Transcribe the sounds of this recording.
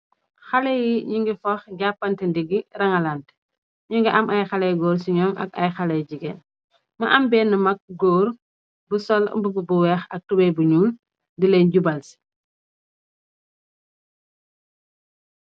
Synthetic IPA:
xɐlɛjiɲuŋɡifɐxɟapːɐntɛndiɡirɐŋɐlant | ɲuŋɡiʔɐmʔɐjxɐlɛjɡɔːɾsiɲɔmɐ̰kɐ̰jxɐlɛjɟiɡɛ̰n | mɐʔɐmbɛːnːɐmɐk̚ɡɔːr | busɔl̰mbububuwɛxɐk̚tubɛjbuɲuːl | ndilɛnɟubɐlsi̥

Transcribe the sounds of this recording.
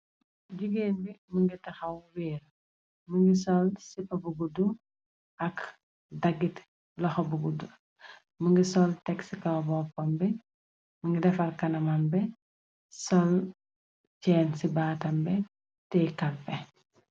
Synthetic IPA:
ɟuɡeːnbiməŋɡitɐxɐwwiːɾ | məŋɡisɔlsipːɐbuɡudum | ʔɐk | dɐɡːit | lɐxɐbuɡudum | məŋɡisɔltɛksikɐbɔːpɐmbɛ | məŋɡidɛfɐrkɐnɐmɐmbɛ | sɔl | cɛːnsibaːtɐmbɛ | tɛkɐlpɛ

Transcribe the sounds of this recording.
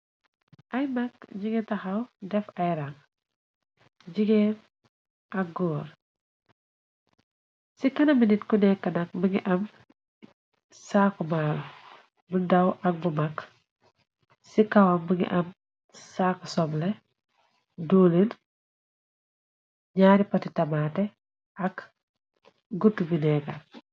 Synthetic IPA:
ʔɐjmakɟiɡetɐxɐwdɛfɐjɾaŋ | ɟiɡen | ʔɐk̚ɡɔːɾ | sikɐnɐminitkunɛkːɐnɐk̚buŋḭʔɐm | saːkumaːlu | bundaɐwʔɐk̚bumak | sikɐwɐmbuŋḭʔɐm | saːkusɔmlɛ | duːlin | ɲaːɾipɐtitɐmaːtɛ | ɐk | ɡutːubinɛkɐ

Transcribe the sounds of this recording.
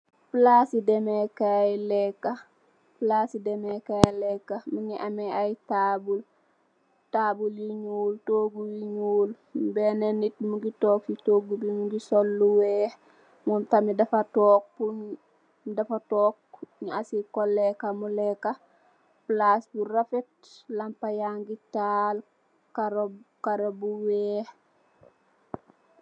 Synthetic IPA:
plasidɛmekajlɛkːa | plaːsidɛmekajlɛkːamuɲiʔamɛajtaːbul | taːbuljiɲuːltoːɡujiɲuːl | bɛnenit̚muɡitoːkitoːɡubimuɡisolːuwɛ | muntamidafatoːk̚puɲ | dafatoːk̚ɲasikolːekamuleka | plasbuɾafet | lampajaŋɡital | kaɾokaɾobuweːh

